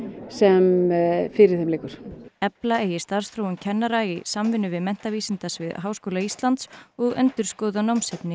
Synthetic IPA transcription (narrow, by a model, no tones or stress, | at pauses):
sɛmfɪɾɪɾ̥θɛmleːkʏɾ̥ɛplaeːjɪst̪aɾ̥r̥sθɾowʏmcʰɛnːaɾaisamvɪnʏvɪðmɛn̥t̪aviːsint̪asvɪðɦaːwskoːlaist̪lant̪sɔɣœ̰nt̪ʏɾ̥skoːðanawmsɛpnɪ